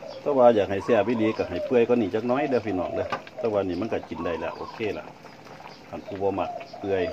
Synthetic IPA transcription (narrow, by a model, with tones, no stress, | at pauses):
t̪ɛː˧˦waː˧jaː˨˩k̚ha˨˩jsɛː˧˩əpa˧˨diː˧˦ka˧˩ɦa˨˩jpɯ˧əjkɔː˧˦niː˧˩t͡ɕaː˧k̚nɔː˧˥˨dɛ˧˨pʰi˧˨nɔ̰ː˧˩ŋlɯ˧˨t̪ɛː˧˦waː˧niː˧˩ma˧˥˨ka˧˩t͡ɕi˨˩nda˧˩jlɛ̰˧˩˨ʔo̰ː˧˨kʰeː˧˥˨la̰˧˨ʔ | kʰa˧˩npʰuː˧˩bɔː˧ma˧˩k̚pɯ˧əj